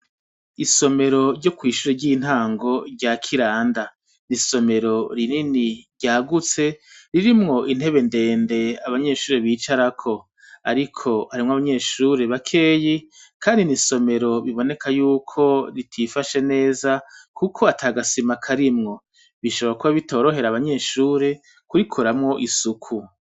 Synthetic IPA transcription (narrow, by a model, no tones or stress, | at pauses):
iso̞me̞ɾo̞ɾɟo̞kwiːʃuɾeɾɟin̥haːŋɡo̞ɾɟakʰiɾaːnda | niso̞me̞ɾo̞ɾininiɾɟaːɡut͡se̞ɾiɾimŋo̞ʔin̥he̞βe̞nde̞ːnde̞aβaɲe̞ːʃuːɾeβiːt͡ʃaɾakʰo̞ | a̰ɾikʰo̞haɾimŋoaβaɲe̞ːʃuːɾe̞βakʰe̞ːjikʰaːndiniso̞me̞ɾo̞βiβo̞nekʰajuːkʰo̞ɾitʰifaʃe̞ne̞ːzakukʰo̞atʰaːɡasimakʰaɾimŋo̞ | βiʃoβoɾakuβaβito̞ːɾo̞ɦe̞ɾaːβaɲe̞ːʃuːɾe̞ | kuɾikʰoɾamŋo̞ʔisukʰu